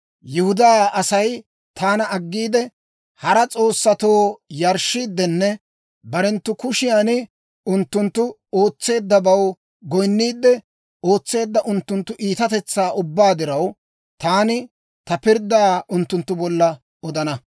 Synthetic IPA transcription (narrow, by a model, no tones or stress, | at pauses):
jɪhʊd̪aːɐsɐj | t̪ʰaːnɐɐɡːiːd̪ɛ | hɐɾɐt͡sʼo̞ːsːɐt̪o̞ːjɐɾʃiːd̪ːɛnːɛ | bɐɾɛnt̪ːʊkʊʃɪjaːnɪ | ʊnt̪ːʊnt̪ːʊ | o̞ːt͡sːe̞ːd̪ːɐbɐw | ɡɔjnːiːd̪ːɛ | o̞ːt͡sːe̞ːd̪ːɐʔʊnt̪ːʊnt̪ːʊʔiːt̪ɐt̪ɛt͡sːaːʔʊbːaːd̪ɪɾɐw | t̪aːnɪ | t̪ɐpɪɾd̪aːʊnt̪ːʊnt̪ːʊbɔlːɐ | ɔd̪ɐnɐ